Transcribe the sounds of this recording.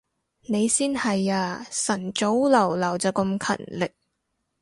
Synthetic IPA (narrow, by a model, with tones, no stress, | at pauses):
ne˨˧jsiː˥nhɐ˨jaː˧sɐ˨˩nt͡so˨˥wlɐ˨˩wlɐ˨˩wt͡sɐː˨˧kɐ˧mkʰɐ̰˨˩nlɪ˨k̚